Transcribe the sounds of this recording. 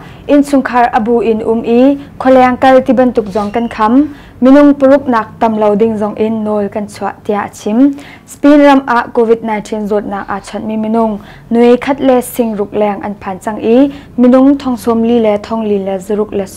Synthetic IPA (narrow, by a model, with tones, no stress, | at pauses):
ʔi˨nsʰʊ˨ŋkʰɐ˧rʔɐbu˨ʔɪ˨nʔʊ˦mʔi˦kʰɔ˨lɛ˧ŋkɐ˧lt̪i˦bɐ˨nt̪ʊ˨k̚zɔ˨ŋkɐ˧nkʰɐmː | inʊ˨ŋpəɾu˦k̚naː˨k̚t̪ɐ˨mlɐ˧wdɪŋzɔ˨ŋʔɪnːɔlkɐnt͡sʰuaʔt̪i˧ja˨ʔɐt͡sʰim | spinrɐ˧mʔa˧ʔko˧vi˧t̪̚na˨jntʰi˧nzɔ˨t̪̚naː˨k̚ʔa˨t͡sʰɔ˧t̪̚mi˨mi˨nʊŋ | nu˨e˨jkʰɐ˦t̪̚lɛ˧sɪ˧ŋrʊ˨k̚lɛŋʔɐ˨npʰa˨nt͡sɐ˧ŋʔi | mi˨nʊ˧ŋt̪ʰɔ˧ŋsɔ˧mli˦lɛ˧t̪ʰɔ˧ŋli˧lɛ˧zɐɾʊ˧k̚lɛ˨